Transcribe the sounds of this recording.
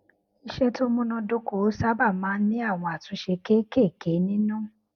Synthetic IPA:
i˧ʃɛ˦to˦mũ˦nɔ̃˧do˦ko˨˦sa˦ba˦˨mãː˨˦n̩˦nĩ˦a˦˨w̃ɔ̃˧a˨tũ˨˧˦ʃe˧ke˦ke˦˨ke˨˦nĩ˦nũ˦

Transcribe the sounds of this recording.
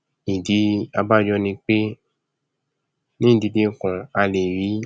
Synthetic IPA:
i˨di˨˧˦a˧ba˦d͡ʒɔ˧nĩ˧k͡pe˦ | nĩ˦˨di˧dĩ˦˨kɔ̃˨a˧le˨ɾi˨˦

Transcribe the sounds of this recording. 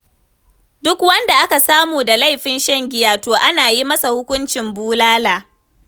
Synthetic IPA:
dʊ˦kwɐ˦nda˨ʔa˦ka˨saː˦muː˨da˨la˦˨jɸɪ˦nʃɐ˦ŋɡʲɪ˦jaː˨toː˨ʔa˦naː˨ji˦mɐ˦sa˨hʊ˦kʷʊ˦nt͡ʃɪ˨mbuː˦laː˦laː˨

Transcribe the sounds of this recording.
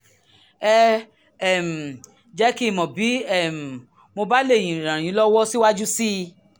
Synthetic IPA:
ɛ˦ | ɛ˨m̩˨ | d͡ʒɛ˨˦ki˦˨mɔ̃˨bi˨˦ɛ˦˨m̩˨ | mo˧ba˦le˦˨j̃ĩ˨ɾ̃ã˨j̃ĩ˨˦lɔ˦wɔ˦si˦wa˦d͡ʒu˦si˦˧

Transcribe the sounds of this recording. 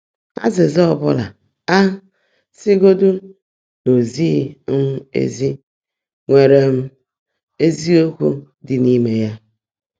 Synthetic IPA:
a̰˦zɪ˨zɔ˦ɔ˨bʊ˦la˨ | a˦ | sɪ˦ɡo˦du˦ | no˨zi˦˨˦m̩˦ḛ˦zi˦ | ŋʷe˨ɾe˨m̩˦ | e˦zi˦o˦kʷu˦ | dɪ˨ni˦me˨ja˦

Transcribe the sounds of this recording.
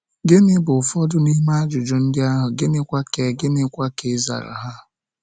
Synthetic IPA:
ɡɪ˦nɪ˦bʊ˨fɔ˦dʊ˦ni˦ma˦a˦d͡ʒʊ˨d͡ʒʊ˨n̩˦dɪ˦a˦ɦʊ˨ɡɪ˦nɪ˦kʷa˦ke˨ɡɪ˦nɪ˦kʷa˦ke˨˦za̰˨ɾa̰˨ɦa˦

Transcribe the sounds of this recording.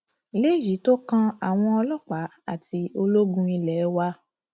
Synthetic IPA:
i˨˧le˦˨ji˨˦to˦kã˧a˨w̃ɔ̃˧ɔ˧lɔ˦˨k͡pa˨˦a˦˨ti˧o˧lo˦ɡũ˦i˧lɛ˨˦wa˧

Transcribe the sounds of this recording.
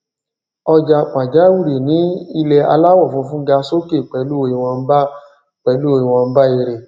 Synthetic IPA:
ɔ˧d͡ʒa˧˨k͡pã˨d͡ʒa˨˦wu˦˨ɾe˨nĩ˨˦i˧lɛ˧a̰˧la˦wɔ˦˨fũ˧fũ˦ɡa˧so˦ke˦˨k͡pɛ˨˦lu˦o˧i˧˨w̃ɔ̃˧n̩˦ba˦ | k͡pɛ˨˦lu˦o˧i˨w̃ɔ̃˧n̩˦ba˦i˧ɾe˧

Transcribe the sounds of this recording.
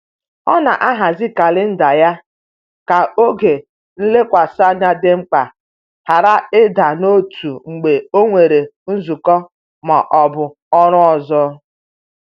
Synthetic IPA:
ɔ̰˦na˨ʔa˦ɦa˨zi˦ka˨lɪ˦n̩˦da˨ja˦ | ka˨o˦ɡe˨ | n̩˦le˦kʷa˨sa˦na˦dɪ˦ŋ͡m̩˦k͡pa˨ | ha˨ɾa˦ɪ˦da˨no˦tʰu˨ŋ͡m̩˨ɡ͡be˨o˦ŋʷe˨ɾe˨n̩˦zu˨kɔ˦ | ma̰˨ʔɔ˨bʊ˨ | ɔ˦ɾʊ˦ɔ˨zɔ˦

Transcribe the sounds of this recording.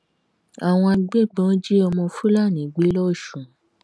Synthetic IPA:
a˨w̃ɔ̃˧a˧ɡ͡be˦˨ɡ͡bɔ̃˨˦d͡ʒi˦ɔ˧mɔ̃˧fũ˦la˦˨nĩ˨˦˨ɡ͡be˨˦lɔ˦˨ʃũ˨

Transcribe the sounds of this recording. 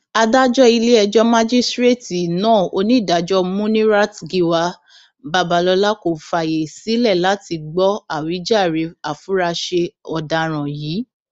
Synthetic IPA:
a˧da˦d͡ʒɔ˦i˧le˦ɛ˧d͡ʒɔ˦mã˦d͡ʒi˦stɾe˦˨ti˨nãː˦˨o˧nĩ˦˨da˨˦d͡ʒɔ˦mũ˦nĩ˦ɾa˦tɡi˧wa˧ | ba˧ba˨˧˦lɔ˧la˦ko˨˦fa˨je˨si˨˦lɛ˦˨la˨˦ti˧ɡ͡bɔ˦a˦˨wi˨˦d͡ʒa˦˨ɾe˨˦a˨fu˨˦ɾa˧ʃe˧ɔ˨da˧ɾ̃ã˨jiː˨˦

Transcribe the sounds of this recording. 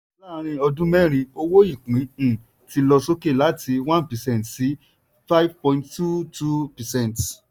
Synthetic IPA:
a˦la˦˨˧ɾ̃ĩ˧ɔ˧dũ˦mɛ̃˦ɾ̃ĩ˧o˧wo˦i˦˨kĩ˨˦˨ | ti˧lɔ˧so˦ke˦˨la˨˦tʰi˧wã˦npɛ˨sɛ̃˦˨tsi˨˦ | fa˦i˦vpɔ̃˧ĩnttu˦tu˦pɛ˨sɛ̃˦˨nt

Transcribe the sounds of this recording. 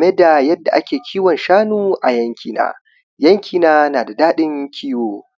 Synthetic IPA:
me˦da˨jɐ˦dːa˨ʔa˦kʲeː˨kʲʰiː˦wɔ˨nʃaː˦nuː˦ʔa˨jɐ˦ŋkʲʰiː˨na̰ː˦ | jɐ˦ŋkʲʰiː˨naː˦naː˨da˨daː˦ɗɪ˦ŋkʲʰiː˦woː˦

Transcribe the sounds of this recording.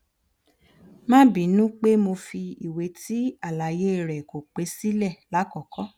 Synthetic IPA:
mãː˦bĩ˨˦nũ˦k͡pe˦mo˧fi˧i˨we˨˦tʰi˦a˦˨la˨˦je˦˨ɾɛ˨ko˨k͡pe˨˦si˦lɛ˦˨la˨˦kɔ˨kɔ˦

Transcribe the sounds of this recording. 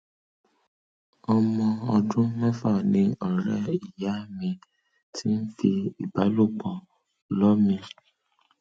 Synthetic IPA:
ɔ˧mɔ̃˧ɔ˧dũ˦mã˦fa˦˨nĩ˨˧ɔ˦˨ɾɛ˦i˦˨ja˨˦mĩ˧ | tʰi˦n̩˦fi˧i˨ba˨˦lu˦˨k͡pɔ˨ | lɔ˦mĩ˧

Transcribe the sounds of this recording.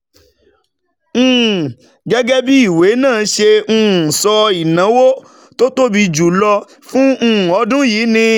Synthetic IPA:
ɡɛ˦ɡɛ˦bi˦i˦˨we˨˦nãː˦˨˦ʃẽ˧˦˨sɔ˧i˨nã˨˦wo˦ | to˦to˦bi˧d͡ʒu˨lɔ˧ | fũ˦˨ɔ˨˧˦dũ˦jiː˨˦nĩ˧

